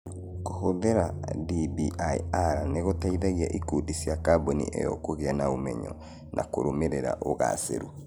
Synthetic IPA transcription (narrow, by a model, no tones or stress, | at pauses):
kohoðeɾadibiʔaḭaɾaneɣotaiðaɣiaʔikudisiakabonḭʔejɔ̰koɣeanaomɛɲɔ̰ | nʔakoɾomeɾeɾa̰ʔoɣa̰sḛɾu